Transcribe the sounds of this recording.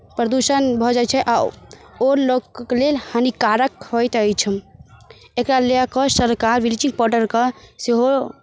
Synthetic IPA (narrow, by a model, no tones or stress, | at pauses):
pɾəd̪usənbʱɔd͡ʒajt͡ʃʰɛʔa | oɾlokklelhanikaɾəkɦojt̪əjt͡ʃʰəm | ekɾaleakəsəɾkaɾʋilit͡ʃĩŋɡ̚pɔɾɖəɾkeseɦo